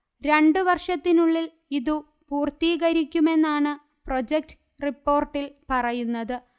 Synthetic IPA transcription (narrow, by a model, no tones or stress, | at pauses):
ɾe̞ɳɖɨʋɐrʂɐt̪ːinuɭːil | iðu | puːrt̪iːɣɐɾikʲːume̞nːaːɳɨ | pro̞d͡ʑek̚ʈɨ | ripːo̞ːrʈːilpɐrɐjunːɐðɨ